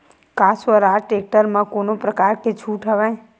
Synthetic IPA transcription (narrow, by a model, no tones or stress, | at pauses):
kasʋəɾaʈek̚ʈəɾmãkonopɾəkaɾket͡ʃʰuʈʰɦəʋaẽ